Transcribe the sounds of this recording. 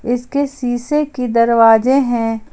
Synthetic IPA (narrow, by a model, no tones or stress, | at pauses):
ɪskesiːsekid̪ɐɾʋaːzeɦɛ̃